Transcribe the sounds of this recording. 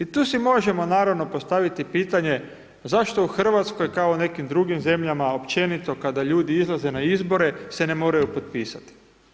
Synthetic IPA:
it̪uːsimo̞ʒe̞mo̞naːɾaʋno̞po̞st̪aʋit̪ipiːt̪aɲe̞ | zaʃt̪o̞uxr̩ʋat̪sko̞jkaone̞kimd̪ɾuɡimze̞mʎamao̞pt͡ʃe̞nit̪o̞kad̪aʎuːd̪iizlˠaze̞naizbo̞ɾe̞se̞ne̞mo̞ːɾajupo̞t̪̚piːsat̪i̥

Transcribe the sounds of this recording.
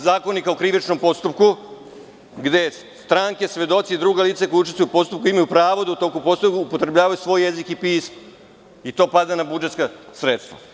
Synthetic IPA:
zaːko̞nikaokɾiʋit͡ʃnompo̞st̪up̚ku | ɡd̪e̞ | st̪ɾaːŋkesʋe̞d̪o̞t̪sid̪ɾuːɡaliːt̪sakojuut͡ʃiest̪ujupo̞st̪up̚kuimajupɾaːʋod̪aut̪okupo̞ːst̪ojuupo̞t̪ɾebʎaːʋajusʋo̞ːjezikipiːsm | it̪o̞ːpad̪anabud͡ʒet̪skasɾet̪st̪ʋa̰

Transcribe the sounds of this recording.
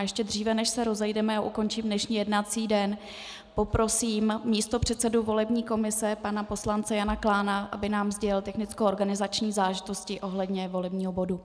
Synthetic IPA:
jɛʃcɛd̪r̝iːvɛnɛʃsɛɾo̞zɛjdɛmɛaʔuko̞nt͡ʃiːmdnɛʃɲiːjɛdnat͡siːdɛn | po̞pɾo̞siːmmiːst̪o̞pr̝̥ɛt̪sɛduvo̞lɛbɲiːko̞mɪsɛpanapo̞slant͡sɛjanaklaːnaʔa̰bɪnaːmzɟɛɪlt̪ɛxnɪt͡skowʔoɾɡanɪzat͡ʃɲiːzaːlɛʒɪt̪o̞scɪʔo̞ɦlɛdɲɛvo̞lɛbɲiːɦo̞bo̞du

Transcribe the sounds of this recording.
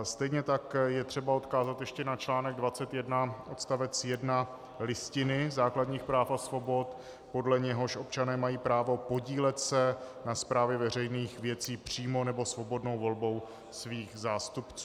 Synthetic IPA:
st̪ɛjɲɛt̪akjɛt̪r̝̥ɛbao̞t̪kaːzat̪jɛʃcɛnat͡ʃlaːnɛɡ̚dvat͡sɛt̪jɛdnaʔo̞t̪st̪avɛt͡sjɛdna | lɪscɪnɪzaːkladɲiːxpɾaːfasvo̞bo̞t̪ | po̞dlɛɲɛɦo̞ʃo̞p̚t͡ʃanɛːmajiːpɾaːvo̞po̞ɟiːlɛt̪sɛnaspɾaːvjɛvɛr̝ɛjniːxvjɛt͡siːpr̝̥iːmo̞nɛbo̞svo̞bo̞dno̞wvo̞lbo̞w | sviːxzaːst̪upt͡su

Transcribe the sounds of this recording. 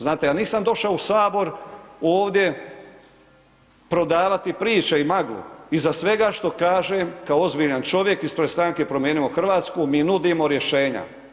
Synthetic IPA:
znaːt̪ejaːniːsamd̪o̞ʃaousaːbo̞ɾoːʋd̪ʲje̞ | pɾo̞d̪aːʋat̪ipɾiːt͡ʃeimaɡlṵizasʋe̞ɡaʃt̪o̞kaːʒemkaoo̞zbiʎant͡ʃo̞ʋjekispɾest̪ɾaŋke̞pɾomjeːnimo̞xr̩ʋaːt̪skumiːnud̪imo̞ɾje̞ʃe̞ːɲa̰

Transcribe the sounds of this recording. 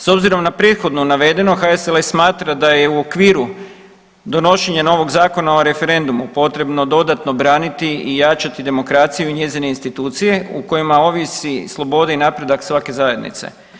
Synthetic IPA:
so̞bziɾo̞mnapɾet̪xo̞d̪nunaʋe̞d̪e̞no̞xaeselesmaːt̪ɾad̪aje̞uo̞kʋiːɾu | d̪o̞no̞ʃeɲano̞ʋo̞ɡzaːko̞naoɾe̞fe̞ɾe̞nd̪umupo̞t̪ɾe̞bno̞d̪o̞d̪at̪no̞bɾaːnit̪iijat͡ʃat̪id̪e̞mo̞kɾaːt̪sijuiɲe̞zine̞inst̪it̪uːt̪sije̞uko̞jimao̞ʋisislˠo̞bo̞d̪ainapɾe̞d̪aksʋake̞zaje̞d̪nḭt̪se̞̰

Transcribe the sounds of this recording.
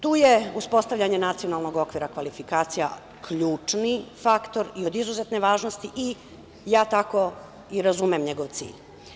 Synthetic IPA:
t̪uːje̞uspo̞st̪aʋʎʲaɲe̞nat̪sio̞nalˠno̞ɡo̞kʋiːɾakʋalifikaːt̪sija̰ | kʎuːt͡ʂnifakt̪o̞ɾio̞d̪izuzet̪neʋaːʒnost̪iʔi | jaːt̪ako̞ | iɾazumemɲe̞ɡo̞ʋt̪sḭːʎ

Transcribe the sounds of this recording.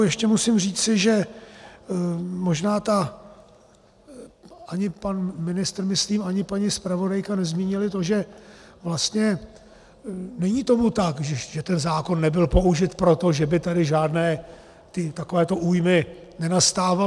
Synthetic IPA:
jɛʃcɛmusɪmr̝iːt͡sɪʒɛ | moʒnaːt̪a | ʔaɲɪpanmɪnɪst̪r̩mɪst̪liːmaɲɪpaɲispɾavo̞dajkanɛzmiːɲɪlɪt̪o̞ʒɛvlast̪ɲɛ | nɛɲiːt̪o̞mut̪akʒɛʒ̥ɛt̪ɛnzaːko̞nːɛbɪlpo̞uʒɪt̪pɾo̞t̪o̞ʒɛbɪt̪adɪʒaːdnɛː | t̪ɪt̪ako̞vɛːt̪o̞ʔuːjmɪ | nɛnast̪aːva

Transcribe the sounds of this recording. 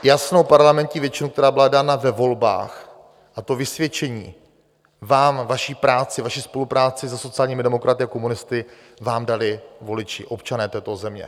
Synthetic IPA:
jasnowpaɾlamɛnt̪ɲiːvjɛt͡ʃɪnukt̪ɛɾaːbɪladaːnavɛvo̞lba̰ːx | ʔat̪o̞vɪsvjɛt͡ʃɛɲiː | vaːmvaʃiːpɾaːt͡sɪvaʃispo̞lupɾaːt͡sɪsɛso̞t͡sɪaːlɲiːmɪdɛmo̞kɾʔat̪ɪakomunɪst̪ɪ | vaːmdalɪvo̞lɪt͡ʃɪ̰ʔo̞pt͡ʃanɛːt̪ɛːt̪o̞zɛmɲɛ̰

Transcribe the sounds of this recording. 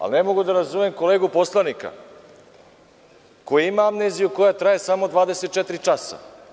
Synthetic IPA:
a̰lnemo̞ɡud̪aɾazumemko̞leːɡupo̞slˠanika̰ | ko̞jiimaamnezijuko̞jat̪ɾajesamo̞d̪vʋaːd̪e̞set̪̚t͡ʃet̪ɾit͡ʃasa̰

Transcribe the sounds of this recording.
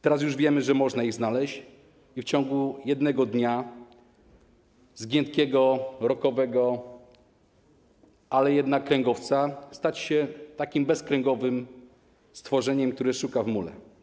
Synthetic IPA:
t̪ɛɾas̬juʐvʲjɛmɘʐɛmɔʐnaiɣznalɛɕt͡ɕ | ift͡ɕɔŋɡujɛd̪nɛɡɔd̪ɲa | zɡʲjɛnt̪kʲɛɡɔɾɔkɔvɛɡɔ | ʔalɛjɛd̪nakːɾɛŋɡɔft̪sast̪at͡ɕɕɛt̪akʲimbɛskɾɛŋɡɔvɘm | st̪fɔʐɛɲɛmk̚t̪uɾɘʂukavmulɛ̰

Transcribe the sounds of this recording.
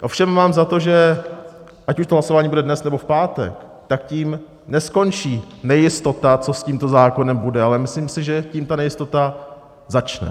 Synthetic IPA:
ʔo̞fʃɛmːaːmzat̪o̞ʒɛ | ʔacuʃt̪oɦlaso̞vaːɲiːbudɛdnɛsnɛbofpaːt̪ɛ̰k | t̪ak̚ciːm | nɛsko̞nt͡ʃiːnɛjɪst̪o̞t̪at͡so̞sciːmt̪o̞zaːko̞nɛmbudɛalɛmɪsliːmsɪʒɛciːmt̪anɛjɪst̪o̞t̪a | zat͡ʃnɛ̰

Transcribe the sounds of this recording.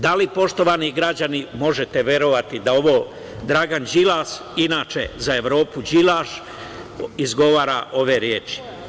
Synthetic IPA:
d̪alipo̞ʃt̪o̞ʋaniɡɾad͡ʑanimo̞ʒet̪eʋje̞ɾoʋat̪id̪ao̞ʋo̞ː | d̪ɾaɡand͡ʒilaːʃ | inaːt͡ʃezae̞ʋɾo̞ːpud͡ʒilaːʃ | izɡo̞ʋaːɾaʔo̞ʋe̞ɾjeːt͡ʃi̥

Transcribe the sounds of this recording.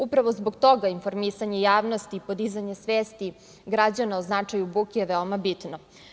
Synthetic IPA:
upɾaʋo̞zbo̞ɡt̪o̞ɡainfo̞ɾmisaɲe̞jaːʋno̞st̪iːpo̞d̪izaɲesʋeːst̪i | ɡɾad͡ʑanaoznat͡ʂajubukijeʋeomabit̪no

